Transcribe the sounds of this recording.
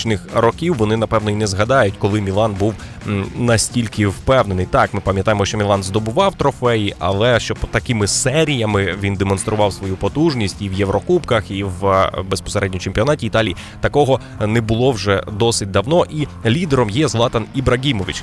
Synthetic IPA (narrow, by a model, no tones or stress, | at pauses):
t͡ʃnɪxrɔkʲiwːɔnɪnɐpɛwnɔinɛzɦɐd̪ɑjʊtʲkɔlˠɪmʲilˠɑnbuwnɐsʲtʲilʲkɪwpɛwnenɪjt̪ɑkmɪpɐmʲjɐt̪ɑjemɔʃt͡ʃɔmʲilˠɑnzd̪ɔbʊʋɑwt̪ɾɔfɛjiʔɐ̰lˠɛʃt͡ʃɔpɔt̪ɐkɪmɪsɛɾʲijɐmɪʋʲind̪emɔnst̪ɾʊʋɑwsʋɔjupɔt̪uʒnʲisʲtʲiʋjewɾɔkupkɐxiwbespɔ̥seɾɛdʲnʲit͡ʃemʲpʲiɔnɑtʲiit̪ɑlʲiji | t̪ɐkɔɦɔ | nɛbʊlˠɔwʒɛd̪ɔsɪt̚ʲd̪ɐwnɔʔilʲid̪eɾɔmjɛzlˠɑt̪ɐnibɾɐɡʲimɔʋʲḭt͡ʃ